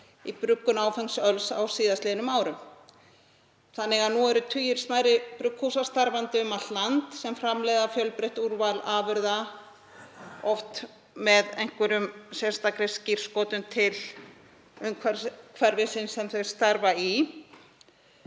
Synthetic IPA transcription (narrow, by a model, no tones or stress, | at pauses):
ipɾʏkːʏnaːwfɛŋsœlsa̰wsiːðast̪lɛnʏmaːwɾʏm | θanːɛɣaðnuɛɾʏt̪ʰʏjɪɾ̥smaːjɾɪpɾʏkʰhusast̪aɾvant̪ɪʏmat̪lant̪sɛmfɾamlɛːjðafjœlpɾeht̪uɾvalaːvʏɾða | ɔft̪ | mɛðejŋ̥kvɛɾʏmsɛ̥st̪akɾesciɾ̥skɔːt̪ʏmt̪ʰɪl | ʏmkʰvakʰvɛɾvɪsɪnsɛmθœɥst̪aɾvai